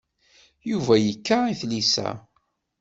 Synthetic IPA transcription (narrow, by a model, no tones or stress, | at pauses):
juvæjəkːaiθlisæ̰